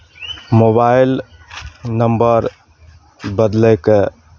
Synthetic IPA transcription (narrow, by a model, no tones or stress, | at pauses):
mobail | nəmbəɾ | bəd̪ləke